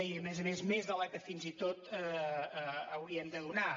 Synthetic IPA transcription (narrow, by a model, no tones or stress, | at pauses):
iəmɛzəmezmezðəlɛt̪əfinzit̪ot̪ə | əwɾiəmd̪əðuna